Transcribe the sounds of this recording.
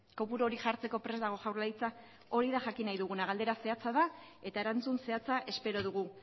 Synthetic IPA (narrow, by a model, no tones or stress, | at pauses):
ko̞puɾoɾixaɾt͡se̞ko̞pɾe̞zd̪aɣ̞o̞ʝawɾlajt͡sa | o̞ɾiðaʝakinajðuɣ̞unaɣald̪e̞ɾase̞at͡saða | e̞t̪ae̞ɾant͡sunse̞at͡saʔe̞spe̞ɾo̞ð̞uɣ̞u